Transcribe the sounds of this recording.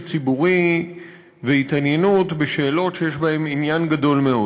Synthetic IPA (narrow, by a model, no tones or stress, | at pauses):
t͡sibuʁi | veit̪anjenutbeʃe̞ːlo̞tʃejeʃbae̞minjanɡad̪o̞lme̞o̞